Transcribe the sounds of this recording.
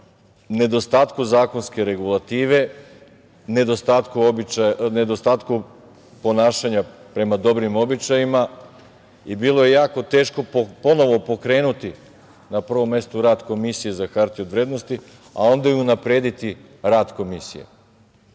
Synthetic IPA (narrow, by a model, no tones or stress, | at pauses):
ne̞d̪o̞st̪aːt̪kuzaːko̞nske̞ɾe̞ɡulˠat̪iːʋe̞ | ne̞d̪ost̪at̪kuobit͡ʃane̞d̪o̞st̪aːt̪ku | po̞naːʃaɲapɾe̞mad̪o̞bɾimo̞bit͡ʃajima | ibilˠo̞je̞jaːko̞t̪e̞ːʃko̞po̞no̞ʋo̞po̞kɾe̞ːnut̪i | napr̩ʋo̞mːe̞st̪uɾaːd̪ko̞misije̞zakaɾt̪iod̪ʋɾeːd̪no̞st̪i | a̰o̞nd̪ajuunapɾe̞ːd̪it̪i | ɾaːd̪ko̞misḭjḛ